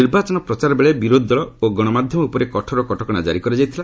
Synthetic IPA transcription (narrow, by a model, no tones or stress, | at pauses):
iɾbat͡ʃɔnɔpɾɔt͡ʃaɾɔbeɭebiɾod̪ʱid̪ɔɭɔoɡɔɽ̃ɔmad̪ʱjɔmɔupɔɾekɔʈʰɔɾɔkɔʈʰɔkɔɽ̃ad͡ʒa̰ɾikɔɾid͡ʒajt̪ʰila